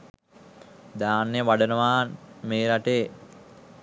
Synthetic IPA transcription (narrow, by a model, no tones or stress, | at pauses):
d̪aːnːejəʋaɖənəʋaːnmeːɾaʈeː